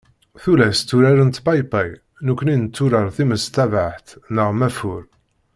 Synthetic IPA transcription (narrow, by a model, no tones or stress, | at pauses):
θulæst̪ːuɾaɾənt̪pɑjpæj | nukʷːninət͡sːuɾəɾθiməst̪ævaħt̪nəʁmæfʊɾ